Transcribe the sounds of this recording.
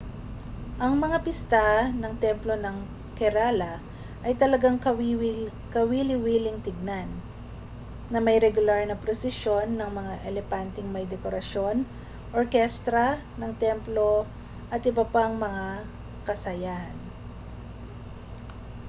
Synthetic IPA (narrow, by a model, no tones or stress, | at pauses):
ʔɐŋmɐŋapɪst̪anɐŋt̪ɛmplo̞nɐŋ | kɛɾalɐ | ʔɐjt̪ɐlɐɡaŋ | kɐwilɪwiːlɪŋt̪ɪɡ̚nan | ɐmɐjɾɛɡʊlaɹnɐpɾosɪʃo̞nːɐŋmɐŋaʔɛlɛpant̪ɪŋmɐjd̪ɛkoɾɐʃjo̞n | ʔoɹkɛst̪ɾɐ | nɐŋt̪ɛmplo̞ | ʔɐt̪ʔɪbɐpaŋmɐŋa | kɐsɐjan